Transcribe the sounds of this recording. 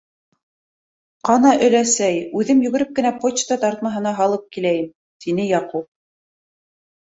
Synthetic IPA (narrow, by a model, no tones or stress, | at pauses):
qɑnɑʔɵ̆læsæjʉðɘmjɵ̆ɡɘ̆ɾɘp̚kɘ̆næpot͡ɕt̪ɑt̪ɑɾt̪mɑɦɤ̆nɑɦɑlˠɤp̚kilæjɘm | t̪inɘjɑqup̚